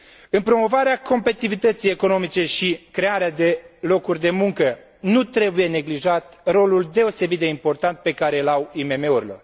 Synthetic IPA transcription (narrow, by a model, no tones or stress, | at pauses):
ɨnpɾo̞mo̞vaɾeako̞mpeit̪ivit̪ət̪sijeko̞no̞mit͡ʃe̞ʃikɾe̞aɾead̪e̞lo̞kurʲd̪e̞muŋkə | nut̪ɾe̞buje̞ne̞ɡliʒat̪ro̞luld̪e̞o̞se̞bit̪̚d̪e̞impo̞rt̪ant̪̚pe̞kaɾe̞lawime̞me̞uɾilo̰